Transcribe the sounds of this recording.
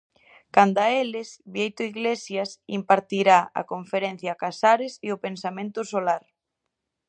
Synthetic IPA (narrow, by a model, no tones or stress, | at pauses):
kand̪aelɪsβjejt̪oiɣlesjasimpaɾt̪iɾaɐ̰koɱfeɾen̟θjakasaɾɪsɪʊpensamẽnt̪ʊsolaɾ